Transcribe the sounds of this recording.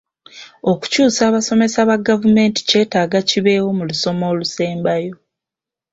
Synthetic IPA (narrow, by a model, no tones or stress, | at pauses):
o̞ku̥cuːsaːβaso̞me̞saβaɡavume̞ːnti̥ce̞ːtaːɡaciβe̞ːwo̞muluso̞mo̞ːluse̞ːmbajo̞